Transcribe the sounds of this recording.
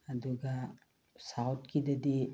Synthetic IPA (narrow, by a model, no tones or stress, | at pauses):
ɐd̪uɡa | sawt̪kid̪ɐd̪i